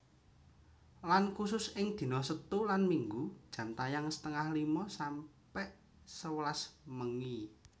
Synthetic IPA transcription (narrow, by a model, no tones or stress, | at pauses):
lankusʊsɪŋd̪̥i̤nɔsət̪ulanmiŋɡud̥ʒ̥ä̤mt̪ajaŋsə̥t̪əŋahlimɔsam | pɛʔ | səwəlasməŋi